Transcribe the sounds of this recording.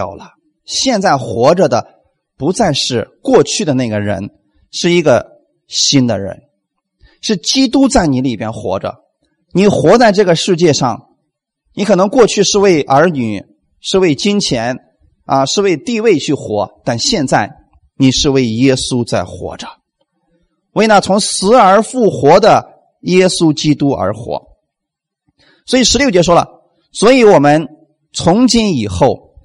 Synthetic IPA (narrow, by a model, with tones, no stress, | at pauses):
ʊlə˩ | ɕjɛ˥˧nt͡sa˥˩ɪxwɔ˧˥ʈ͡ʂə˧d̪ə˩ | pu˧˥t͡sa˥˧ɪʂɻ̩˥˧kwɔ˥˧t͡ɕʰy˥˩d̪ə˩na˥˩ɡə˩ɻə̰˧˥n | ʂɻ̩˥˩i˧˥ɡə˧ | ɕi˥nd̪ə̰˨ɻə̰˧˥n | ʂɻ̩˥˩t͡ɕi˥t̪u˥t͡sa˥˩ɪni˧˥li˨˩pjɛ˥nxwɔ̰˧˥ʈ͡ʂə̰˧ | ni˨˩˥xwɔ˧˥t͡sa˥˧ɪʈ͡ʂɤ˥˩ɡə˩ʂɻ̩˥˧t͡ɕjɛ˥˧ʂɑ˥˩ŋ | ni˧˥kʰɤ˨˩nɤ˧˥ŋkwɔ˥˧t͡ɕʰy˥˧ʂɻ̩˥˧we˥˩ɪʔə˞˧˥ny˨˩˦ | ʂɻ̩˥˧we˥˩ɪt͡ɕi˥ŋt͡ɕʰjɛ˧˥n | ə˧ʂɻ̩˥˧we˥˧ɪt̪i˥˧we˥˧ɪt͡ɕʰy˥˩xwɔ̰˧˥t̪a˥˧nɕjɛ˥˧nt͡sa˥˩ɪ | ni˨˩ʂɻ̩˥˧we˥˩ɪjɛ˥su˥t͡sa˥˩ɪxwɔ̰˧˥ʈ͡ʂə˧ | we˥˩ɪna˥˩t͡sʰʊ˧˥ŋsɹ̩˧˥ə˞˧˥fu˥˩xwɔ˧˥d̪ə˧ | jɛ˥su˥t͡ɕi˥t̪u˥ə̰˞˧˥xwɔ̰˧˥ | swɔ˧˥i˨˩ʂɻ̩˧˥ljt͡ɕjɛ˧˥ʂ̬wɔ˥lə̰˨ | swɔ˧˥i˧˥wɔ˨˩mə˦n | t͡sʰʊ˧˥ŋt͡ɕi˥ni˨˩xo˥˩ʊ